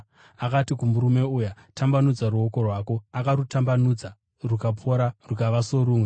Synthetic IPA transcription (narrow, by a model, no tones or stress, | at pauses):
akatikumuɾume̞uja | tʰambanud͡zaruoko̞rwaːko̞akaɾutambanud͡za | rukapʰo̞ɾarukaʋaso̞ɾuːmwe